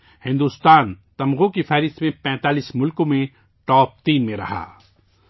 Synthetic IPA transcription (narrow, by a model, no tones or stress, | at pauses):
hɪ̃nd̪uːst̪aːnt̪ɐmɣõkifʰɛːɾɪst̪mẽpɛ̃ːt̪aːliːsmʊlkõmẽ | ʈɔːp̚t̪iːnmẽɾɐ̰ɦa̰ː